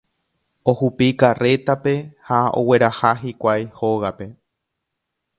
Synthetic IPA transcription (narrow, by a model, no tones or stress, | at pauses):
ohupikare̞t̪ape̞hao̰we̞ɾahaɦikʷajho̞ɣape̞